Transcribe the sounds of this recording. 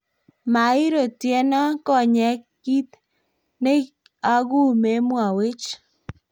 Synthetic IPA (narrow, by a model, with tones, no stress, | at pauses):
ma˨ɪ˦ɾo˨tjɛ˨˦na˦kɔ˦˨ɲɛ˨ki˦t̪ | ne˦ | a˦ɡu˦˨me˦mwa˨we˦t͡ʃ